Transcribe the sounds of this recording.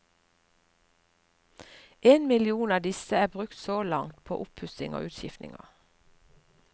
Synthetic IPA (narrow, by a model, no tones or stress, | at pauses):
ʔeːnmɪlɪuːnɑːd̪ɪsəæːbʁʉkt̪soːlɑŋt̪pʰo̰ːʔʊphʉsɪŋo̰ːʔʉːt̪ʃɪft̪nɪ̰ŋɑ̰